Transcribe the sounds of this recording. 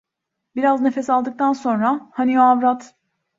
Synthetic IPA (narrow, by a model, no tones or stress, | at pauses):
biɾazne̞fesalˠd̪ɯk̚t̪ʰanso̞nɾahanijoavɾat̪